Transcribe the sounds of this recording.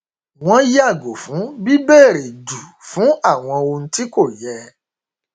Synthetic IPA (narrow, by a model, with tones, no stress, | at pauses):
w̃ɔ̃˦ja˦˨ɡo˨fũ˨˦bi˦bɛː˦˨ɾe˨du˨fũ˨˦a˦˨w̃ɔ̃˧o˧ñ̩˦ti˦ko˦˨jɛ˧